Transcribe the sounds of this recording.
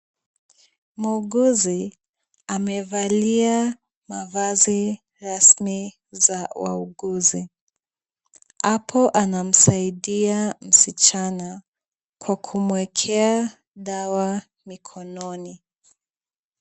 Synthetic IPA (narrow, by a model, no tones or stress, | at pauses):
muuɠuzi | amɛvalia | mavazi | ɾasmi | zawa̰uɡuzi | apʰɔʔanam̩saiɗiam̩sit͡ʃana | kwakʰumwɛkʰɛa | ɗawa | mikʰɔnɔni